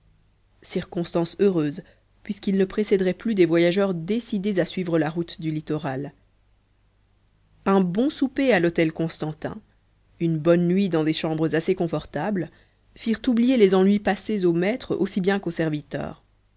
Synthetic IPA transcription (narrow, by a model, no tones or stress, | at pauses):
siʁkɔ̃st̪ɑ̃søʁøːz | pɥiskilnəpχesɛd̪ʁɛplyd̪ɛvwajaʒœʁd̪esid̪ezasɥivʁəlaʁut̪d̪ylit̪ɔʁal | ɛ̃bɔ̃supealɔt̪ɛlkɔ̃st̪ɑ̃t̪ɛ̰̃ | ynbɔnːɥid̪ɑ̃d̪eʃɑ̃bʁəzasekɔ̃fɔʁt̪abl | fiʁt̪ublijelezɑ̃nɥipasezomɛt̪χo̰sibjɛ̃kosɛʁvit̪œ̰ːʁ